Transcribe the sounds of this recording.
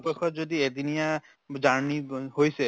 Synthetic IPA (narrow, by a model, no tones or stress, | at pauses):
pekʰɔtzod̪ied̪inija | d͡ʒaɹnihojsɛ